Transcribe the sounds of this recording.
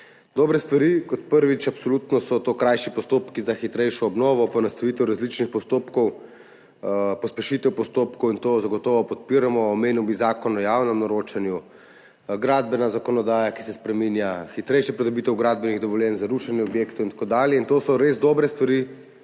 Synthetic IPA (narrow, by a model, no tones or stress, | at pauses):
d̪ɔːbɾɛst̪ʋaɾikɔt̪pəɾʋit͡ʃapsɔlut̪nɔsɔt̪okɾajʃipɔst̪oːpkizaxit̪ɾɛjʃɔːbnɔːʋɔpɔnɐst̪ɐʋit̪ɛwɾazlit͡ʃnixpɔst̪oːpkɔw | pɔspɛʃit̪ɛwpɔst̪oːpkɔwint̪ozaɡɔt̪ɔːʋɔpɔt̪̚piɾamɔːmeːniwbizaːkɔnɔjawnɛmnɔɾoːt͡ʃanju | ɡɾad̪bɛnazakɔnɔd̪aːjaki̥sɛspɾɛminjaxit̪ɾɛjʃjɛpɾɛd̪ɔbiːt̪ɛwɡɾaːd̪̚bɛniɣd̪ɔʋɔljɛnzaɾuʃanjɛɔbjeːkt̪ɔint̪ḁkoːd̪aːljɛint̪oːsɔɾezd̪ɔbɾɛst̪ʋaɾi